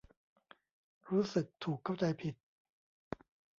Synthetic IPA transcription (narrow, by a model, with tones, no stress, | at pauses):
ɾuː˦˥sɯ˨˩k̚t̪ʰuː˨˩kʰːa˥˩wt͡ɕa˧jpʰi˨˩t̪̚